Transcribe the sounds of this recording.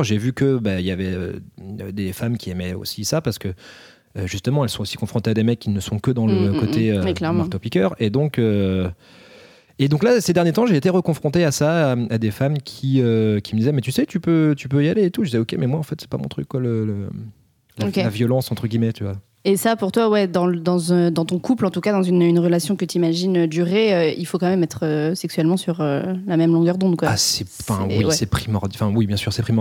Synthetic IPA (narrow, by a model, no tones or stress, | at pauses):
ʒevykəbailjavɛø̰d̪efamkʲʰiɛmɛo̰sisapaʁsə̥kə | øʒyst̪əmɑ̃ɛlsɔ̃osi̥kɔ̃fχɔ̃t̪ead̪emɛkʰʲːinəsɔ̃kəd̪ɑ̃ləkot̪ʰeølɛt̪ɔpikʲœʁed̪ɔ̃kø | ed̪ɔ̃klased̪ɛʁnjet̪ɑ̃ʒeːt̪eʁəkɔ̃fχɔ̃t̪easaad̪efamkʲʰiøkʲiməd̪izɛmɛt̪ysɛt̪ypøt̪ypøjaleːt̪uʒəd̪izɛokʲemɛmwaɑ̃fɛt̪sɛ̥pamɔ̰̃t̪χykkːwalələ | lakelavjɔlɑ̃sɑ̃t̪χəɡʲimɛt̪yvwa | esapuʁt̪wawɛd̪ɑ̃d̪ɑ̃zɛ̃d̪ɑ̃t̪ɔ̃kuplɑ̃t̪ukad̪ɑ̃zynynʁəlasjɔ̃kət̪imaʒinød̪yʁeøilfokɑ̃mɛmɛt̪χøsɛksɥɛlmɑ̃syʁølamɛmlɔ̃ɡœʁd̪ɔ̃d̪kwaasɛ̃fɛ̃wiwsɛpχimɔʁd̪̃fɛ̃wibjɛ̃syʁsɛpχimɔ